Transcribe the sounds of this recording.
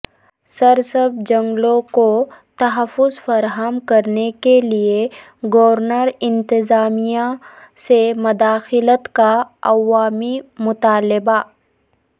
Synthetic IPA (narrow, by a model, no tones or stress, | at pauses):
sɐɾsəbd͡ʒɐ̃ŋɡlõkot̪ɐɦəfːʊzfɐɾɦəmkɐɾnekelie | ɡɔːɾnəɾɪ̃nt̪ɪzaːmijasemʊd̪aːxɪlət̪kaɐ̰ʋaːmimʊt̪aːlɪba